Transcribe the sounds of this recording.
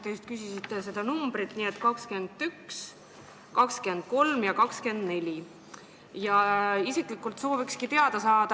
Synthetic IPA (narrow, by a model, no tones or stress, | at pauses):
t̪ejust̪̚kysisit̪ːˑese̞d̪ɑnumb̥ɾit̪ˑniːet̪ːˑkɑkskyend̪̥yks | kɑkskend̪̥̚ko̞lmjɑkɑkske̞nd̪̥ne̞lʲi | jɑisiklikːˑult̪so̞ːvikskit̪e̞ɑd̪̥ɑsɑːd̪̥ɑ